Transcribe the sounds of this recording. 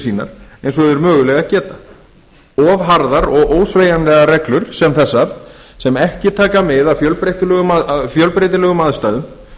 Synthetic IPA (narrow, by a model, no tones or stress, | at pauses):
siːna̰ɾ̥ejnsɔɛðʏɾmœːɣʏlɛɣacɛːt̪ḁ | ɔvɦaɾðaɾɔɣʔoːwsveːjanlɛːɣaɾɛklʏɾ̥sɛmθɛsːaɾ̥sɛmɛhcɪt̪ʰaːkamɪðaðfjœlpɾejt̪ɪlɛːɣʏmafjœlpɾejt̪ɪlɛːɣʏmaðst̪aːðʏm